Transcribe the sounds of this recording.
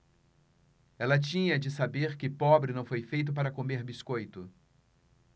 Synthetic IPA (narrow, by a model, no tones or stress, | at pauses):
ɛlɐt͡ʃĩɲɐd͡ʒɪsabeɾkɪpɔbɾɪnɐ̃w̃fojfejt̪̬ʊpaɾɐkomeɾbiskojt̪ʊ